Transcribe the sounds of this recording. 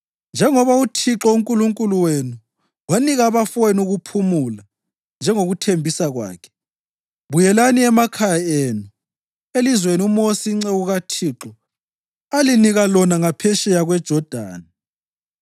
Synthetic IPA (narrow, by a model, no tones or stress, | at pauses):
nd͡ʒʱɛŋɔβautʰiǁɔuŋkʼuluŋkʼuluwenu | waniɣaːβafenuɣupʰumula | nd͡ʒʱɛŋoɣutʰembʱisaɣwa̰ːkʰɛ̥ | βujɛlaniɛmakʰajaeːnu | elizweniumosiŋ͡ǀɛuɣatʰiːǁɔ | aliniɣalɔnaŋapʰɛʃɛjaɣwɛd̥ʒ̥ʱɔd̥ʱa̰ːna